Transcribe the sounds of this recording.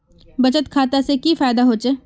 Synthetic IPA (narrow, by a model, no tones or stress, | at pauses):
bɐt͡ʃət̪kʰaːt̪asekifaːjd̪aɦoːt͡ʃeː